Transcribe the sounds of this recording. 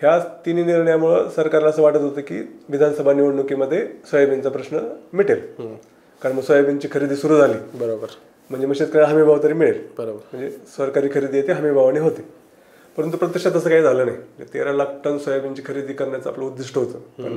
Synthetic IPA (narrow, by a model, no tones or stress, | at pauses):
hjat̪iniːniɾɳjaməɭəsəɾkaɾlasəːʋaʈət̪ɦot̪əːkḭːʋid̪ʱansəbʱaniʋəɽɳukiməd̪ʱːjesʋəjəbint͡sapɾəɕnəmiʈel | kaɾəɳməɡsʋəjəbjint͡ɕiːkʰəɾid̪iːsuɾuːd͡zʱaliːbəɾobəɾ | m̤əɳd͡zeməɡɕet͡skəɾaaɦəmibʱaʋt̪əɾiːmiɭelbəɾobəɾm̤əɳd͡zesʋəɾkaɾiːkʰəɾid̪ijet̪eɦəmibʱaʋañiɦot̪e | pəɾənt̪̬upɾət̪ːəkʂat̪əs̬əːkaɦiːd͡zʱaləːnajm̤əɳd͡zḛt̪ḛɾalak̚ʈənsʋəjəbiɲt͡ɕiːkʰəɾid̪iːkəɾɳjat͡səapləud̪ːiʂʈəɦot̪əpə̰ɳ